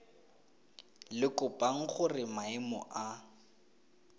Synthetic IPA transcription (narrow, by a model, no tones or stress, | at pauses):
lɪkʊbaŋ̩χʊrɪmaɪmɔ̰ʔa